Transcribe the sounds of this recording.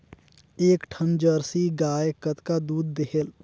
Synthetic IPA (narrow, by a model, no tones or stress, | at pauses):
eːkʈʰəmd͡ʒəɾsiɡaːjkət̪kad̪uːd̪̚ːeɦel